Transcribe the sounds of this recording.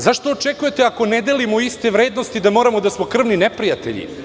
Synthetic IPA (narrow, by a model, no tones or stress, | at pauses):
zaʃt̪o̞ːt͡ʃe̞kuje̞t̪eako̞ned̪e̞limoist̪e̞ʋɾe̞ːd̪no̞st̪id̪amo̞ɾamo̞d̪asmo̞kr̩ʋninepɾijat̪e̞̰ʎḭ